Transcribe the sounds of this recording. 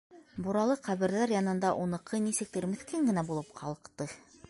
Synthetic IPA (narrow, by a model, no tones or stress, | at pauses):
buɾɑlˠɤqqæβɘ̆ɾðæɾjɑnɤ̆nd̪ɑʔunɤ̆qɤnisɘ̆k̚t̪ɘɾmɘ̆θkæŋɡɘ̆næbulˠɤp̚qʰɑlˠɤ̆qt̪ɤ